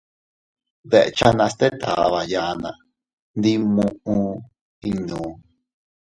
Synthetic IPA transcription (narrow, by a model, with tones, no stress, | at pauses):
βe˧ʔḛ˧t͡ʃa˦nã˧st̪e˦t̪ʰa̰˨βa˧ja˧nã̰˨ | nd̪i˧mũ˧ʔũ˧ | i˧nũː˨